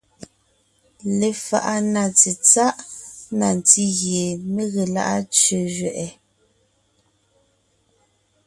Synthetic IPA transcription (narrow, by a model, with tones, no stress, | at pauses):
le˨fa̰˨ʔa˦na˨t͡si˨t͡sa˦ʔna˨n˨ti˦ɣje˨me˦ɣe˨la̰˦ʔa˦t͡ʃɥə˨ʒɥɛ˨ʔɛ˨